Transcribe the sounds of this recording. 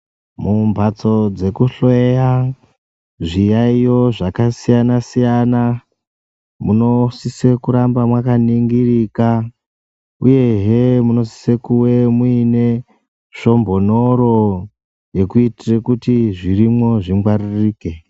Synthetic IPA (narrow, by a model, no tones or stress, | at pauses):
mumbʱat͡so̞d͡ze̞kuɬoeja | ʐijaijo̞ʐakasijanasijana | muno̞sisekuɾambamwakaniŋɡirika | uje̞ɦemuno̞si̥se̞kuwe̞muine̞ | ʃo̞mbo̞no̞ɾo̞ | je̞kuitirekutiʐirimo̞ʐiŋɡwaririːke̞